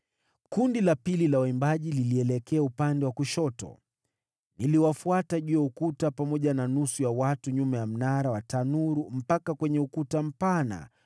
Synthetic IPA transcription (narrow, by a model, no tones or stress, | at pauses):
kundilapililawaimbaʄililiɛlɛkɛaupandɛwakuʃɔtɔ̰ | niliwafuataʄuɔukutapamɔʄananusujawatuɲumɛjam̩naɾawatanuɾum̩pakakwɛɲɛukutam̩pana̰